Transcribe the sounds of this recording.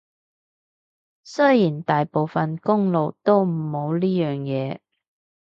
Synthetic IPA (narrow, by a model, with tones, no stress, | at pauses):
sɵ˥jjiː˨˩nt̪aː˨jpo˨wfɐ˨nkʊ˥ŋlo˨wt̪o˥wm̩ː˨˩o˨˧wliː˥jœː˨˩ŋjɛː˨˧